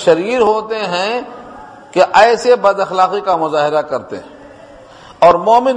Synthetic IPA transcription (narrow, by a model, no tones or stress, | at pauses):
ʃɐɾiːɾɦoːt̪eɦɛ̃ | keʔɛːsebɐd̪ɐxlaːqikamʊzaːɦɪɾakɐɾt̪ḛɦɛ̃ | ɔːɾmɔːmɪn